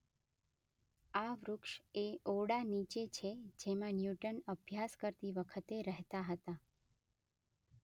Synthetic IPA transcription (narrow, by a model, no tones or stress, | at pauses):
aʋɾʊkʃeoɽanit͡ʃet͡ʃʰed͡ʒemãnjuʈənəbʱjaskəɾt̪iʋəkʰət̪eɾəɦt̪aɦət̪a